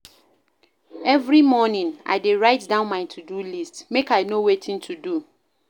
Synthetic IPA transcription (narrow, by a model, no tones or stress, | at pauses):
ɛvɹimɔnĩna̰ɪdeɹaɪtdãʊ̃nmãɪ̃tʰudulistmekaɪnowetʰĩntʰudu